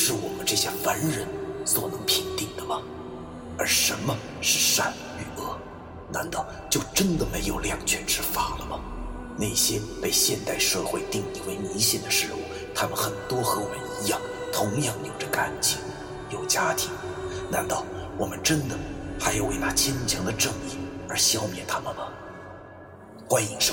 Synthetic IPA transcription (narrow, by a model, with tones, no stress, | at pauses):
ʂɻ̩˥˩wɔ˨˩mə˦nʈ͡ʂɤ˥˩ɕja˥˩fə˧˥nɻə˧˥nswɔ̰˨˩nɤ˧˥ŋpʰi˧˥ŋt̪i˥˩ŋd̪ə˩mə˩ | ə̰˞˧˥ʂə˧˥nmə˧ | ʂɻ̩˥˩ʂa̰˥˩n | y˥˩ɤ˥˩ | na˧˥nt̪ɑ˥˩ʊ | t͡ɕjo˥˩ʊʈ͡ʂə˥nd̪ə˨me˧˥ɪjo˨˩ʊljɑ˨˩ŋt͡ɕʰɥɛ˧˥nʈ͡ʂɻ̩˥fa˥˩lə˩mə̰˩ | ne˥˩ɪɕjɛ˥pe˥˧ɪɕjɛ˥˧nt̪a˥˧ɪʂɤ˥˧xwe˥˧ɪt̪i˥˧ŋli˥˩we˧˥ɪni˧˥ɕɛ˥˩nd̪ə˨˩ʂɻ̩˧˥ṵ˥˩ | t̪ʰa˥mə˨nxə˨˩nt̪wɔ˥xɤ˧˥wɔ˨˩mə˦ni˧˥jɑ˥˩ŋt̪ʰʊ˧˥ŋjɑ˥˩ŋjo˨˩ʊʈ͡ʂə˦ka˥nt͡ɕḭ˧˩ŋ | jo˨˩ʊt͡ɕja˥t̪ʰi˧˥ŋ | na˧˥nt̪ɑ˥˩ʊwɔ˨˩mə˦nʈ͡ʂə˥nd̪ə˨xa˧˥ɪjo˨˩ʊwe˧˩ɪna˥˩t͡ɕʰɛ˥nt͡ɕʰɑ˧˥ŋd̪ə˨ʈ͡ʂɤ˥˧ŋi˥˩ə˞˧˥ɕjɑ˥ʊmjɛ̰˥˩nt̪ʰa˥mə˨nmə˩ | xwa˥ni˧˥ŋʂ